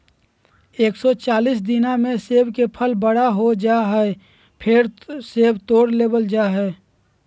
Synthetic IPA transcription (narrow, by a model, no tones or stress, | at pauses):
eːksɔt͡ʃaːliːs̬d̪ɪnamẽseːbkepʰəlbəɽaɦod͡ʒaːɦɛ | pʰɪɾseːbt̪oːɽleːbəld͡ʒaːɦɛː